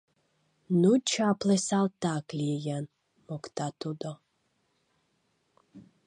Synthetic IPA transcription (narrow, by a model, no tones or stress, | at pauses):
nut͡ɕaplɛsalˠt̪aklʲiɛjan | mɔkt̪at̪ud̪ɔ